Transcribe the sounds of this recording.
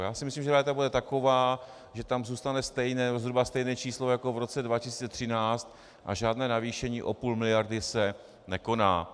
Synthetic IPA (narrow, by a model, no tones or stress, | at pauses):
jaːsɪmɪslimʒɛɾɛːt̪abudɛt̪ako̞vaː | ʒɛt̪amzuːst̪anɛst̪ɛjnɛːnɛbozɦɾubast̪ɛjnɛːt͡ʃiːslojako̞vɾo̞t͡sɛdvacɪsiːt͡sɛt̪r̥ɪnaːt͡st̪ | ʔa̰ʒaːdnɛːnaviːʃɛɲiːʔo̞puːlmɪlɪjaɾdɪsɛ | nɛko̞naː